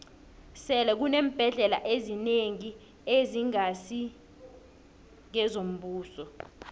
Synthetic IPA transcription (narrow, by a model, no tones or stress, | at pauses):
sɛlɛk̬uneːm̩b̥ʱɛɮɛla̰ʔezineŋi | eziŋasi | ŋɛzom̩ɓuːsɔ